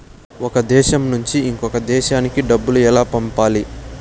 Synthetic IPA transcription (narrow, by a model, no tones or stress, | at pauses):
ɔkɐd̪ɛːʃɐmnuɲt͡ʃiiŋkɔkɐd̪ɛːʃaːnikiɖɐbːuluɛlaːpɐmpaːli